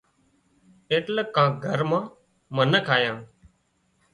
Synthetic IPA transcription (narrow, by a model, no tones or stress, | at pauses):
eːʈləkːãːɡʱəɾmãː | mənəkʰaːjãː